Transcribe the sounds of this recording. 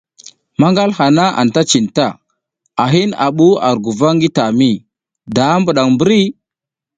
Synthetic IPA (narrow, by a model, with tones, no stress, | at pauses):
ma˦ŋɡa˦lha˨na˦ʔa̰˨n˨ta˦t͡ʃi˨nta˦˨ | a˨ɦi˦na̰˨ɓu˦a˨ɾɡu˨va˦ŋɡi˦ta˨mi˦˨ | da˨˦mbu˨ɗa˨ŋmbu˦ɾi˦